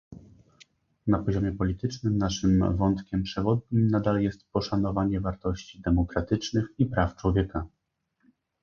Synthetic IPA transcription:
napɔʑɔmʲjɛpɔlʲit̪ɘt͡ʂnɘmnaʂɘmvɔnt̪kʲɛmpʂɛvɔd̪̚ɲimnad̪aljɛst̪pɔʂanɔvaɲɛvaɾt̪ɔɕt͡ɕid̪ɛmɔkɾat̪ɘt͡ʂnɘxipɾaft͡ʂwɔvʲjɛka

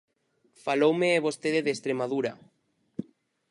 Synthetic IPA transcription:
falowmeːβost̪eðeðest̪ɾemaðuɾa

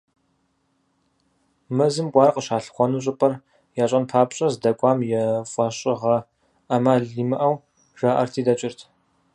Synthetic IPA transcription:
mɐzɨmkʷʼɑːrqəʃaːɬχʷɔnuɕʼɪpʼɐr | jaːɕʼɐnpʰaːpɕʼɐzdɐkʷʼɑːmjɛfʷʼɑːɕʼɪʁɐ | ɐmaːɮiːmɨʔɐw | ʒ̥aːʔɐ̰rtʰiːdɐt͡ʃʼɪrtʰ

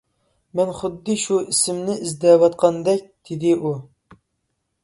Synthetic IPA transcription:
mɛnχʊd̪ːɨʃuisɪmnɪʔizd̪ɛvɑt̪̚qʰɑnd̪ɛk̚ʲd̪̥ɪd̪ɪʔu

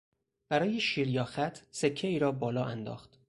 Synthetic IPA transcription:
b̥æɾɒːjeʃiːɾjɒːxæt̪ʰse̞cʰːe̞iːɾɒːbɒːlɒːʔænd̪ɒ̰ːxt̪

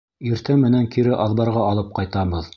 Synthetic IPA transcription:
iɾt̪æmːɘ̆næŋkiɾɘʔɑðβɑɾʁɑɑlˠɤp̚qɑjt̪ɑbɤð

